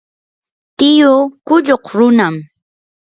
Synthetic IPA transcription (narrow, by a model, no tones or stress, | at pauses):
t̪ɪjʊkʊʎoqɾʊnam